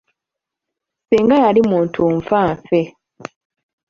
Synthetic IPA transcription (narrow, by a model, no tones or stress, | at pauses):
siːŋɡajalimuːntʰuɱfaːɱfe